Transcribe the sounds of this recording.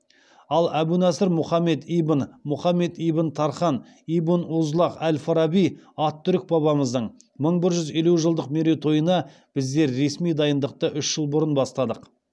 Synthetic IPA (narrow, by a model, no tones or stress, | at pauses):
ɑlˠæbunæsɪɾmʊχɑme̞t̪ijbənmʊχɑmːe̞t̪ijbənt̪ʰɑɾχɑn | ijbənuzlˠɑqælfɑɾɑbijɑt̪ːʏɾɪk̚bɑβɑməzd̪əɴ | məɴbɪɾʒʏze̞luʒəlˠd̪əqmeɾet̪ʰo̞jənɑ | b̥ɪzd̪e̞ɾːe̞smijd̪ɑjənd̪əq̚t̪əʔʏʃʒ̥əlˠbʊɾənbɑst̪ɑd̪əq